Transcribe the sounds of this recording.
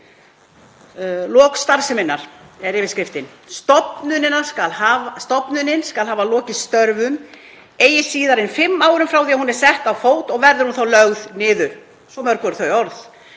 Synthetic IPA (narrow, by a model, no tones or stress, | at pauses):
lɔːkst̪aɾ̥sɪmɪnːaɾ̥ɛɾɪvɪskɾɪft̪ɪn | st̪ɔpnʏnɪnaskalhavast̪ɔpnʏnːɪnskalɦaːvalɔːcɪst̪œɾvʏm | eːjɪsiːðaɾɪnfɪmːaːwɾʏmfɾawθiahunɛɾ̥sɛht̪awfoːwt̪ɔɣvɛɾðʏɾ̥hunθawlœɣðnɪːðʏɾ̥ | sɔmœɾ̥kvɛɾθœɥɔɾθ